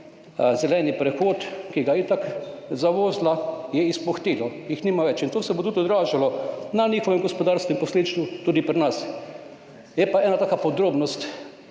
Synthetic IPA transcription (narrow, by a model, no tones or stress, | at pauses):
zɛlɛnipɾɛxoːt̪kiɡait̪akzaʋoːzlajɛispɔxt̪iːlɔjixnimaʋɛt͡ʃint̪oːsɛbot̪ut̪ɔd̪ɾaːʒalɔnaniːxɔʋɛmɡɔspɔd̪aːɾskɛmpɔsleːd̪it͡ʃ̪t̪ut̪uːd̪ipɾinas | jɛpaɛːnat̪aːkapɔd̪ɾoːbnɔst̪